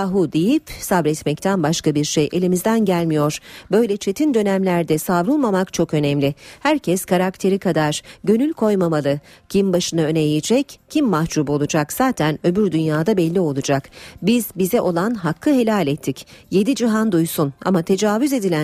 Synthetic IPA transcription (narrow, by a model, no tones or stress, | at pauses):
ɦud̪ejipsabɾɛt̪mɛct̪ʰænbaʃkabiɾʃejʔe̞lʲimizd̪ænɟælʲmijo̞ɾ̥bø̞jlʲɛt͡ʃʰe̞t̪ʰind̪ø̞næmlʲæɾd̪ɛsavɾulˠmamakt͡ʃʰo̞kø̞nɛmlʲɪhæɾcʰɛskaɾakt̪ʰe̞ɾikʰad̪aɾ̥ɟø̞nylʲkʰo̞jmamalˠɯcʰimbaʃɯnaø̞nejid͡ʒɛccʰimːahd͡ʒuːbo̞lˠud͡ʒakz̥aːt̪ʰænø̞byɾd̪ynjaːd̪abɛlʲːio̞lˠud͡ʒakbizbizɛʔo̞lˠanɦakʰːɯɦe̞lʲaːlʲɛt̪ʰːicje̞d̪id͡ʒiɦand̪ujsuna̰mat̪ʰe̞d͡ʒaːvyze̞d̪ilʲæ